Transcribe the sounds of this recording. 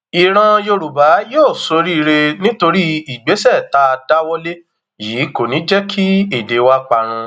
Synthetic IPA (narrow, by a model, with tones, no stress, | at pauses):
i˨ɾ̃ã˧jo˧ɾu˨ba˨˦joː˦˨so˨˦ɾi˦˧ɾe˧nĩ˦to˧ɾi˦i˨ɡ͡be˨˦sɛ˦˨ta˦˧da˦wɔ˦le˦ | jiː˨˦ko˨nĩ˨˦d͡ʒɛ˦kʰi˦i˨de˨˦wa˦k͡pa˧ɾ̃ũ˧